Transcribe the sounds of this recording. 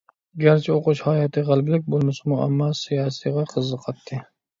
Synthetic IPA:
ɡʲaɾt͡ʃʰɪoqʊʃhɑːjɑt̪ʰɨʁəlˠblɪk̚ʲbolˠmɪsɪmua̰mːɑsijɑːsijʁɑqʰəzːɨqʰɑt̪ʰːɪ

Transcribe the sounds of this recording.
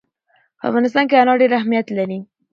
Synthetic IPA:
pəa̰fɣɑnɪs̬t̪ɑnk̬eanɑɖeɾahmijat̪laɾi

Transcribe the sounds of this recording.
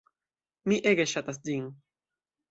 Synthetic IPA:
miʔeɡeʃat̪asd͡ʒiŋ

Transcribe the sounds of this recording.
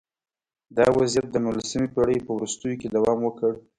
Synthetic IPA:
d̪ɑwazijat̪̚d̪əmʊlsɪmipaɽəjpəwɾust̪əjoked̪awɑmwəkəɽ

